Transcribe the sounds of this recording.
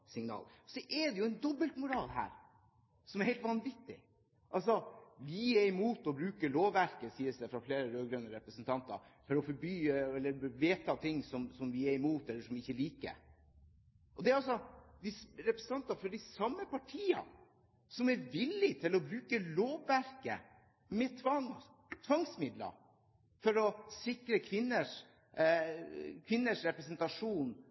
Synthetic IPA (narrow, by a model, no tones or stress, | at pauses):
sɪŋnɑ̰ːlsɔʔɛɖ̪ɛjʊɛnd̪ɔbəlt̪mʊɾɑːlhæ̰ːɾ | sɔmɛɾhɛɪlt̪ʋɑnʋɪt̪ːɪ̰ | ʔɑls̬ɔjɪiːɛɾɪmuːt̪ɔbɾʉːkəloːʋːæɾkəsiːəsd̪ɛfɾɑfleːɾəɾøːɡɾœnəɾɛpɾəsənt̪ʰɑnt̪ɑ̰ɾfɔɾɔfɔɾbyːɛlːəɾʋeːt̪ʰɑt̪ʰɪŋːsɔmsɔmʋɪæɾɪmuːt̪ɛlːəʂɔmɪɪçːəliːkə̰ | ʔɔd̪ɛæɾɑlsɔd̪ɪsɾɛpɾəsn̩ʰɑnt̪ɑfɔɖɪsɑmːəpʰɑʈʰiːɑ̰ | sɔmæɾʋɪlːɪt̪ʰɪlːɔbɾʉːkəloːʋːæɾkə̰ | mɛt̪ʰʋɑŋ | t̪ʰʋɑŋsmɪd̪lɑ̰ | fɔɾɔsɪkɾəkʰʋɪnːəʂ | kʰʋɪnːəʂɾɛpɾɛsɛnt̪ɑʂuːn